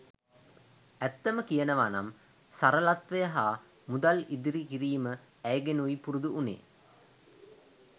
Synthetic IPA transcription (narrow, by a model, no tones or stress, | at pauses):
æt̪ːəməkijənəʋana̰m | saɾəlat̪ʋejəɦaː | mud̪alid̪iɾikiɾiːmə | æjɡenuipuɾud̪uʔunḛː